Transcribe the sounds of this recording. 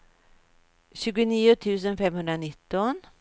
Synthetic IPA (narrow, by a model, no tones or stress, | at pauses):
ɕʉ̟ːɡʊniːʊt̪ʰʉ̟ːs̬ənfɛmhɵnd̪ɾanɪt̪ːɔn